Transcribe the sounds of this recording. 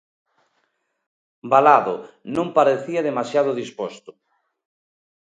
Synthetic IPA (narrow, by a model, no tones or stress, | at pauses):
balaðonõmpaɾeθiɐðemasjað̞ʊðispɔst̪ʊ̥